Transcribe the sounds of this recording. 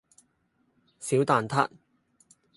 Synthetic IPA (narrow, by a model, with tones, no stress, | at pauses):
siː˨˥wt̪aː˨nt̪ʰa̰˥t̚